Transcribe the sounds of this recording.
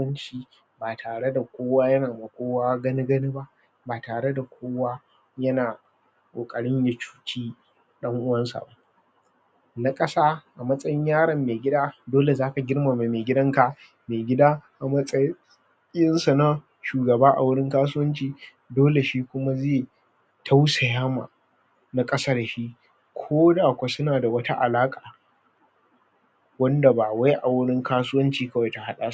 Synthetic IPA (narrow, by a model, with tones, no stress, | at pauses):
ɐ˦nt͡ʃiː˨ | baː˨tʰaː˨ɽe˦da˨kʷoː˦waː˦jɐ˦naː˨mɐ˨kʷoː˦waː˦ɡɐ˦ni˦ɡɐ˦ni˦ba˦ʔ | baː˨taː˨ɽe˦da˨kʷʰoː˦waː˦ | jɐ˦naː˨ | kʼoː˨kʼɐ˨ɽɪ˦ɲja˨t͡ʃu̥ː˦kʲʰiː˦ | ɗɐ˦ŋʔʊ˦wɐ˦nsa̰˨ba˦ʔ | na˦kʼɐ˦saː˦ʔa˨mɐ˦sʼɐ˦jɪ˦ɲjaː˦ɽɐ˨mːeː˨ɡʲɪ˦daː˦doː˦le˨zaː˦ka˨ɡʲɪ˦rma˨ma˨meː˨ɡʲɪ˦dɐ˦ŋka˨ | meː˨ɡʲɪ˦daː˦ʔa˨mɐ˦sʼɐ˦ | jɪ˦nsa˨na˦ | ʃuː˨ɡɐ˨baː˦ʔa̰˨wʊ˦ɽɪ˦ŋkaː˦s̬ʊ˦wɐ˦nt͡ʃiː˨ | doː˦le˨ʃiː˦kʷʊ˦ma˦zeː˦˨ | tʰa˦wsa˨jaː˦ma̰ː˨ | na˦kʼɐ˦saː˦da˨ʃi˦ʔ | kʷʰoː˦daː˨kʷa˨sʊ˦naː˨da˨wɐ˦ta˦ʔa˨laː˦kʼaː˨ | wɐ˦nda˨baː˨wa˦jʔa˨wʊ˦ɽɪ˦ŋkaː˦sʊ˦wɐ˦nt͡ʃiː˨kɐ˦wa˨jta˨ha˦ɗa̰ː˦˨s